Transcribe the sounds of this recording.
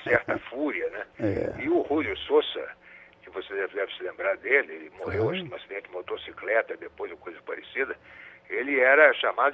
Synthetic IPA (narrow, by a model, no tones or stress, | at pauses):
sɛɾt̪ɐfuɾiɐnɛɪʊhulʊsosɐ̰kɪvosed̪ɛvɪd̪ɛvɪsɪlẽmbɾaɾd̪elɪelɪmohewãʃkɪũasid̪ẽnt͡ʃɪmot̪osiklɛt̪ɐd̪epojzʊkojzɐpaɾesid̪ɐelɪɛɾɐʃamad̪ʊ